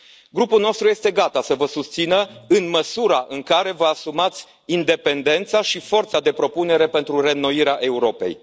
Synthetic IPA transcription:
ɡɾupulno̞st̪ɾuje̞st̪e̞ɡat̪asəvəsust̪sinəɨnməsuɾaʔɨŋkaɾe̞vəasumat̪sʲ | ind̪e̞pe̞nd̪e̞nt̪saʃifo̞rt̪sad̪e̞pɾo̞pune̞ɾe̞pe̞nt̪ɾure̞no̞iɾeaʔe̞uɾo̞pe̞̰j

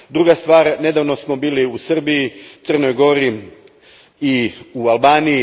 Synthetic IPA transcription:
d̪ɾuɡast̪ʋaːɾne̞d̪aʋnosmo̞biːliusrbijit̪sər̩no̞jɡo̞ɾi | iualˠbaːniji

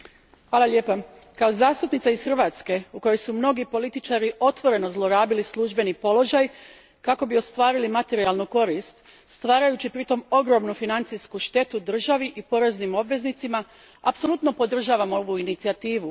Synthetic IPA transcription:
hʋaːlalʲje̞ːpa | kao̞zaːst̪upnit̪saisxrʋat̪ske̞uko̞jojsumno̞ɡipo̞lit̪it͡ʃaɾiʔo̞t̪ʋo̞ɾe̞no̞zlˠo̞ɾaːbilislˠuʒbe̞nipo̞lo̞ʒaj | kako̞bio̞st̪ʋaːɾilimat̪e̞ɾialˠnuko̞ɾist̪ | st̪ʋaːɾajut͡ɕipɾit̪o̞mo̞ɡɾo̞mnufinant̪sijskuʃt̪e̞t̪ud̪r̩ʒaʋiʔipo̞ɾe̞znimo̞bʋe̞znit̪sima | apso̞lut̪no̞po̞d̪r̩ʒaːʋamo̞ʋuinit̪siat̪iːʋu

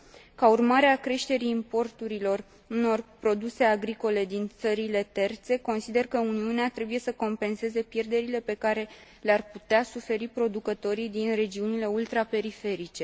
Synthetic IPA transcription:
kaurmaɾeakɾe̞ʃt̪e̞ɾiːmpo̞rt̪uɾilo̞r | uno̞rpɾo̞d̪use̞aɡɾiko̞le̞d̪int̪səɾile̞t̪e̞rt̪se̞ko̞nsid̪e̞rkəuniuneat̪ɾe̞buje̞səko̞mpe̞nse̞ze̞pje̞rd̪e̞ɾile̞pe̞kaɾe̞ | learput̪easufe̞ɾipɾo̞d̪ukət̪o̞ɾijd̪inre̞d͡ʒiunile̞ult̪ɾape̞ɾife̞ɾit͡ʃe̞

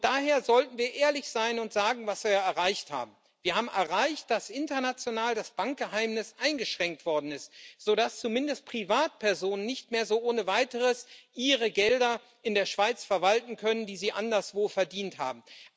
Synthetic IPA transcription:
d̥aːɦeːɐzɔltn̩viːɐʔeːɐlɪçz̥aɪnʊntz̥aːɡŋ̩vasv̥iɐjaɛɐʁaɪçtha̰ːb̚m̩ | viːɐhaːbm̩ʔɛɐʁaɪçt̚d̥asʔɪntɐnat͡sjonaːldasb̥aŋk̚ɡ̥əɦaɪmnɪsʔaɪnɡəʃʁ̥ɛŋk̚tv̥ɔɐdn̩ɪstz̥oːɾast͡sumɪndəst̚pʁ̥ivaːt̚pʰɛɐzoːnənːɪçtmeːɐzoːʔoːnəvaɪtəʁəsʔiːʁəɡɛldɐ | ʔɪndeːɐʃv̥aɪt͡sfɛɐvaltn̩kʰœnəndiːziːʔandɐsv̥oːfɛɐdiːntha̰ːbm̩

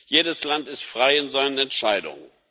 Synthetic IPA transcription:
jeːdəslantɪstfʁ̥aɪɪnzaɪnənɛntʃaɪdʊ̰ŋən

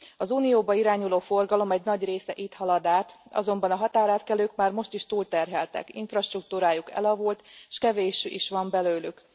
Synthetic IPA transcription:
ɒzuːnijoːbɒiɾaːɲuloːfo̞rɡɒlo̞mɛɟnɒɟreːsɛʔit̪hɒlɒd̪aːt̪ɒ̰zo̞mbɒnɒɦɒt̪aːɾaːt̪kɛløːkmaːrmo̞ʃt̪iʃt̪uːlt̪ɛrɦɛlt̪ɛ̰kḭɱfrɒʃt̪ruk̚t̪uɾaːjukɛ̰lɒvult̪ʃkɛveːʃyʔiʃʋɒmbɛløːlyk

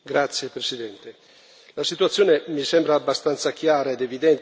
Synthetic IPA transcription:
ɡɾat̪sːjepɾesid̪ɛnt̪e | lasit̪uat̪sjoːnemisɛmbɾaːbːast̪ant̪sakjaːɾaed̪evid̪ɛn

